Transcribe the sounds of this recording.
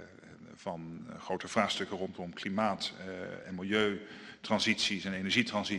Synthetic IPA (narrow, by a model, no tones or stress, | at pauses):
v̥ɑnχrowtəv̥raːχstɵkərɔntɔmklimaːtɛ̰nmɪlˠjøɥtrɑnzitsisɛnenɛɹʒitrɑnzi